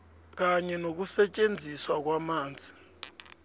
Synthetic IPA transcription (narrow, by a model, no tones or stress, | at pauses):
k̬aɲɛnok̬usɛt͡ʃʼend͡zʱiswak̬wamaːnd͡zʱi